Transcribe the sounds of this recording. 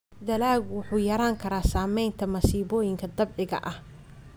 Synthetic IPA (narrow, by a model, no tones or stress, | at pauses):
d̪ɐlaːɣwʊħuːjɐɾaːŋkʰɐɾaːsaːmɛjnt̪ʰɐmɐsiːβɔːjɪŋkʰɐd̪ɐbʕɪɣɐ̰ʔɐh